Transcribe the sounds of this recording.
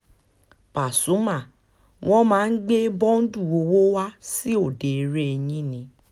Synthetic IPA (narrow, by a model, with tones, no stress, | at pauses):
pa˨su˨˦mã˦˨ | w̃ʔɔ̃˦mãː˨˦n̩˦ɡ͡be˦bɔ̃˦n̩˦du˦˨o˨˦wo˦wa˦si˦o˦˨de˨˦ɾe˦e˧ɲĩ˦nĩ˧˦